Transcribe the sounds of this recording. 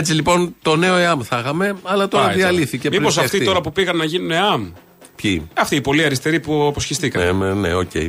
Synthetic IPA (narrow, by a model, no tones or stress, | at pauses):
et͡silipo̞nt̪o̞ne̞o̞eɐmθɐɣɐme̞ɐlɐt̪o̞ɾɐðiɐliθicemipo̞s̬ɐft̪io̞ɾɐpupiɣɐnːɐʝinuneɐm | pçḭɐft̪iːpo̞liɐɾist̪e̞ɾipuɐpo̞sçist̪ikɐmenḛo̞̰cḛj̰